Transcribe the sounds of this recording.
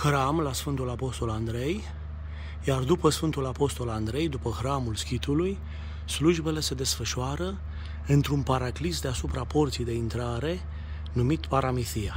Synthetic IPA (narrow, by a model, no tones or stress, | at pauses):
xɾamlasfɨnt̪ulapo̞st̪o̞land̪ɾe̞j | jard̪upəsfɨnt̪ulapo̞st̪o̞land̪ɾe̞jd̪upəxɾamulskʲit̪uluj | sluʒbe̞le̞se̞d̪e̞sfəʃuaɾə | ɨnt̪ɾunpaɾaklisd̪easupɾapo̞rt̪siejd̪e̞int̪ɾaɾe̞ | numit̪paɾamiθija